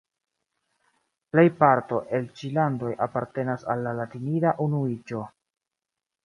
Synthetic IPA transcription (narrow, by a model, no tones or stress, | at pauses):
ple̞jpaɾto̞ʔe̞lt͡ʃilando̞japaɾte̞nasa̰lːalatiniɾaʔunuid͡ʒo̞